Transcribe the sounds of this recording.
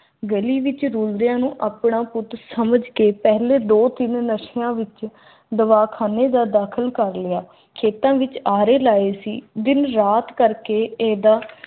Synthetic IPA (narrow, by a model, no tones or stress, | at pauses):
ɡəliːʋɪt͡ʃɾuːld̪ɪjãːnũːʔaːpɳãːpʊt̪səməd͡ʒkeːpɛɦleːd̪oːt̪ɪnnəʃɪjãːʋɪt͡ʃ | d̪əʋaːkʰaːneːd̪aːd̪aːkʰəlkəɾlɪjaː | kʰeːt̪ãːʋɪt͡ʃaːɾeːlaːeːsḭːd̪ɪnɾaːt̪kəɾkeːeːd̪aː